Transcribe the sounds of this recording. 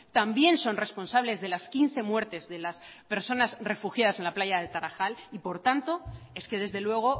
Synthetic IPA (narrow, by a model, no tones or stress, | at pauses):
t̪ambje̞nso̞nre̞spo̞nsaβ̞le̞zðe̞laskinθe̞mwe̞ɾt̪e̞zðe̞laspe̞ɾso̞nasre̞fuxjaðase̞nlaplaʝaðet̪aɾaxalipo̞ɾt̪ant̪o̞e̞skeðe̞zðe̞lwe̞ɣ̞o̞